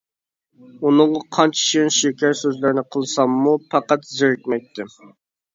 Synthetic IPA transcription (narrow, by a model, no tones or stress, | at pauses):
unɨŋʁɑqʰɑnt͡ʃʰi̥ʃiɪnʃekʲæɾsøzlɪɾnɪqʰəlˠsɑmːupʰɑqɑt̪zɪɾɪk̚ʲmɛk̚ʲt̪ʰɪ